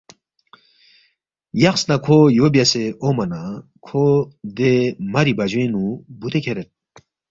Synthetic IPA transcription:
jɐχsnakʰojobjaseomɐna | kʰod̪emɐɾibɐd͡ʑwẽnubut̪ekʰeɾet̪̚

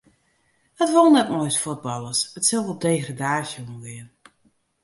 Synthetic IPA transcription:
ətʋolˠnɛtmɔjsfod̚bɑlˠəsətsəlˠɔlˠdeːɣradaːsjonɡɪən

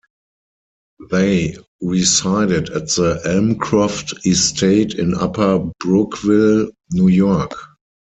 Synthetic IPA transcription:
ðeɪ | ɹisaɪdɪdætðəʔɛlmkʰɹaftɪstʰeɪtɪ̃na̰pʰə˞bɹʊkvɪl | njujɔk

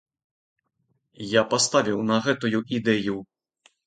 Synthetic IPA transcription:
japast̪avʲiwnɐɣɛt̪ujuʔid̪ɛju

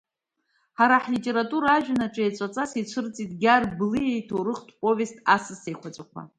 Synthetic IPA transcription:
ħaɾaħlitʼe̞ɾatʼuɾaaʒᶣanaʈ͡ʂʼet͡sʷʼat͡sʼasit͡ʃʷʰɨrt͡sʼitʼɡʲarblɨjejtʰoɾɨχtʰʼpʼovʲe̞stʰʼasɨsejχʷʰat͡sʷʼakʷʰa̰

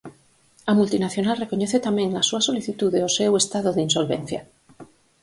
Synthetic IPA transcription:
amult̪inaθjo̞nalrekoɲeθet̪amẽŋlasuasoliθit̪uðeosewest̪að̞oðinsolβẽnθja̰

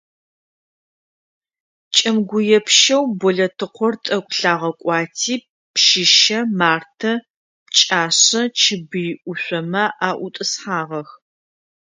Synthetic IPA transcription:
t͡ʃʼɐmɡʷʊjɛpʃɐwbɔɮɐtʰɨqʷɔrtʼɐkʷʼɬaːʁɐkʷʼɑːtʰiː | pʃɪʃɐmaːrtʰɐ | t͡ʃʼaːɕɐt͡ʃʰɪbɨjʔʷʊɕʷɔmɐʔaːʔʷʊtʼɨsħaːʁɐx

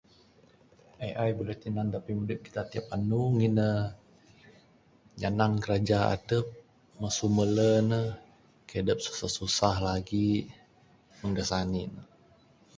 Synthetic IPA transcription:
ajʔajbəlɛht̪inant̪apimudɪp̚ki̥t̪at̪iap̚anuŋinə | ɲanaŋkəɾad͡ʒaa̰dəp̚ | masumələnəh | kadəp̚su̥sahsusahlaɡi | məŋɡasaninə

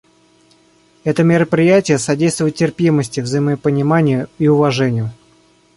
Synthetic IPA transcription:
ɛt̪əmʲɪɾəpɾʲɪjætʲɪjəsɐdʲejst̪vʊjɪt̪tːʲɪrpʲiməsʲtʲɪvzəjɪməpənʲɪmanʲɪjʊiʊvɐʐɛnʲɪjʊ

